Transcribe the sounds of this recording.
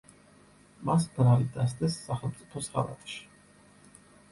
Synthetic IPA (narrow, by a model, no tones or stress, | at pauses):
masbɾalid̪ast̪ɛsːaχɛlˠmt̪sʼipʰɔsχa̰ɾa̰t̪ʼʃi̥